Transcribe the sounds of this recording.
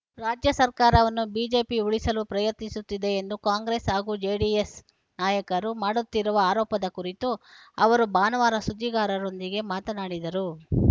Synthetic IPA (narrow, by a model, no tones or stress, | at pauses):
ɾaːd͡ʒjɐsɐɾkaːɾɐʋɐnːubiːd͡ʒe̞ːpiuɭisɐlupɾɐjɐt̪nisut̪ːid̪e̞ːnd̪ukaːŋɡɾe̞ːsaːɡuːd͡ʒeːɖies | naːjɐkɐɾumaːɽut̪ːiɾuʋɐaːɾɔːpɐd̪ɐkuɾit̪uɐʋɐɾubaːnɐʋaːɾɐsud̪ːiɡaːɾɐɾo̞nd̪iɡe̞maːt̪ɐnaːɽid̪ɐɾu